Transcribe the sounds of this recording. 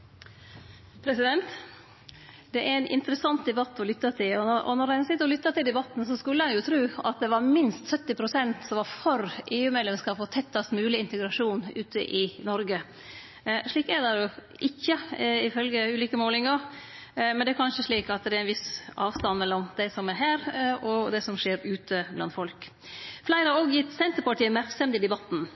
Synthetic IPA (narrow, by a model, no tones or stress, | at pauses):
pʰɾɛsɪd̪ɛnt̪ | d̪̥ɛʔæɾɛɪnʔɪ̰nt̪əɾəsɑnt̪̚d̪ɛbɑt̪ːɔlʏt̪ːɑt̪ʰɪlɔɔʔɔ̰nɔɾɛnsɪt̪ːəɾɔlʏt̪ːɑt̪ɪld̪ɛbɑt̪ːn̩sɔskʉlːəhɑnjʊt̪ʰɾʉːɑ̰t̪̚d̪ɛʋɑɾmɪnst̪sœt̪ːɪpʰɾʊsɛnt̪sɔmʋɑɾfɔɾʔeːʉːmeːd̪lɛmskɑːfɔt̪ʰɛt̪ːɑsmʉːlɪɪnt̪əɡɾɑʂuːnʉːt̪ʰə̰ʔɪnɔɾɡə | ʂɭiːkæɾd̪ɛɾjʊ | ʔɪçːəɪfœlɡəʉːliːkəmoːlɪŋɑɾ | mɛnd̪ɛæɾkʰɑnʂəʂɭiːkɑt̪d̪ɛɾæɪnʋɪsʔɑːʋst̪ɑnːmɛlːɔmd̪ɛsɔmæɾɦæːɾɔd̪ɛsɔmʂeːɾʉːt̪ʰəblɑ̰nfɔlk | flæɪɾəɑoɡjɪt̪ːsɛnt̪əɾpɑʈiːəmæɾksɛmt̪ɪd̪ɛbɑt̪ːn̩